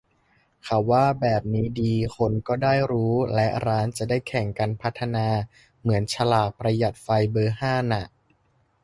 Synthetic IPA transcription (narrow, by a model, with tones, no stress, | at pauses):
kʰa˨˩wwaː˥˩bɛː˨˩p̚niː˦˥diː˧xʰo˧nkɔː˥˩daː˥˩jɾuː˦˥lɛ˦˥ʔɾaː˦˥nt͡ɕa˨˩daː˥˩jkʰɛ˨˩˦ŋkaː˧npʰa˦˥t̪ʰːa˧naː˧ | mɯ˩˦ənt͡ɕʰa˧laː˨˩k̚pɾa˧ja˨˩t̪̚fa˧jbɤː˧haː˥˩na˨˩ʔ